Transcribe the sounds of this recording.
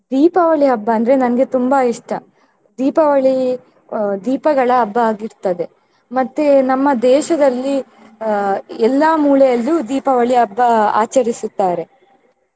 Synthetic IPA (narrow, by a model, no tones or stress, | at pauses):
d̪iːpɐʋɐɭiɦɐbːɐɐnd̪ɐɾe̞nɐnɐɡe̞t̪umbɐiʂʈɐ | d̪iːpɐʋɐɭi | d̪iːpɐɡɐɭɐːbːɐaːɡiɾt̪ɐd̪e̞ | mɐt̪ːenɐmːɐd̪ɛːʃɐd̪ɐlːi | ɛlːɐmuːɭɛjɐlːud̪iːpɐʋɐɭiɐbːɐa̰ːt͡ʃɐɾisut̪ːaːɾe̞